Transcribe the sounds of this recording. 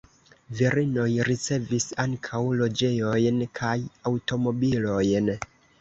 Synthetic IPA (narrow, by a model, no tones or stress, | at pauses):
viɾino̞jɾit͡se̞visaŋkʰawlo̞d͡ʒe̞jo̞jnkʰajawto̞mo̞bilo̞jn